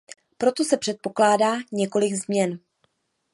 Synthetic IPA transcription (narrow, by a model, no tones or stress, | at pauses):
pɾo̞t̪o̞sɛpr̝̥ɛt̪̚po̞klaːdaːɲɛko̞lɪɡzmɲɛn